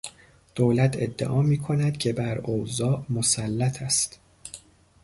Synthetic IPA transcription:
d̪̥oːlæt̪ʰe̞̰d̪ːḛʔɒːmiːkʰo̞næd̪̥cʲʰe̞bæɾozɒːʔmosælːæt̪ʰæst̪

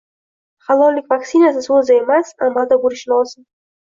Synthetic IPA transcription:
χalˠɒllːɪkʲvaksinasɪsɵzɪe̞masamːalˠd̪abʊɾɪʃnɪɒlˠsɪn

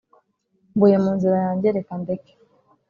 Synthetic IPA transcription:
mbujemuːnziɾajaːɲɟeɾekamdeke̥

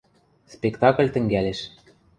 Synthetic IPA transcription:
spekt̪ɑkə̆lʲt̪ɘ̆ŋɡælʲeʃ

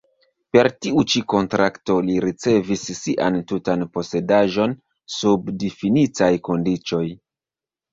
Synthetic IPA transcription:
pe̞ɾtiut͡ʃiko̞ntɾakto̞liɾit͡se̞visːiʔa̰ntutanpo̞se̞daʒo̞n | subdifinitajko̞ndit͡ʃo̞j

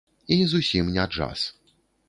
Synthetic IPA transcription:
izusʲimnʲaʐa̰s

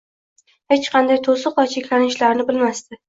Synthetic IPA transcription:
het͡ʃqʰɑnd̪ajt̪ʰosɨqɒt͡ʃʰɪkʲlanɪʃlaɾnɪbɪlmast̪ɪ

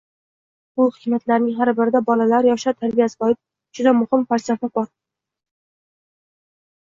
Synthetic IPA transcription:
bʊhɪkʲmat̪laɾnɪŋɦaɾbɪɾɪd̪abɒlalaɾjɒʃat̪ʰaɾbijasɪ̥qɒjɪp̚ | d͡ʒʊd̪amʊhɪmpaɾsaɾt̪abɒɾ

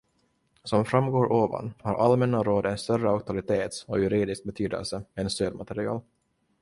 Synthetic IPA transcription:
sɔmfɾamːɡoːɾʔoːva̰nhaɾʔalmɛnːaɾoːd̪ɛnst̪œrːəɔk̚t̪ʰalɪt̪ʰeːt̪sɔjɵɾiːd̪ɪsk̚bɛt̪ʰyːd̪ɛ̰lsəɛnst̪øːd̪mat̪ɛɾɪɑ̰ːl

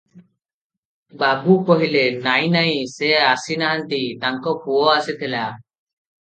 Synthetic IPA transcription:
baɡukɔɦilenaj̃naj̃seasinaɦant̪it̪aŋkɔpuɔasit̪ʰɛla

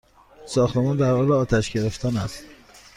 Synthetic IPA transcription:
sɒːxt̪emɒːnd̪æɾhɒːleɒːt̪ʰæʃɟe̞ɾe̞ft̪ʰænæst̪

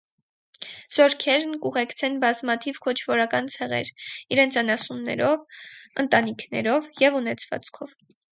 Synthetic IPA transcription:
z̥ɔɾkʰɛɾnkuʁɛkt͡sʰɛnbɑzmɑt̪ʰivkʰɔt͡ʃʰvɔɾɑkɑnt͡sʰɛʁɛ̰ɾiɾɛnt͡sʰɑnɑsunnːɛ̰ɾɔvənt̪ɑnikʰnɛ̰ɾɔvjɛvunɛt͡sʰvɑ̰t͡skʰɔv

